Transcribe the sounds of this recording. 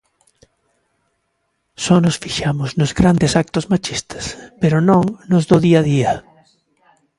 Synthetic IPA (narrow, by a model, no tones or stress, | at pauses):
sɔnosfiʃamʊznʊzɡɾand̪esak̚t̪ozmat͡ʃist̪ɐ̥speɾʊnõŋnozðoðiaðiɐ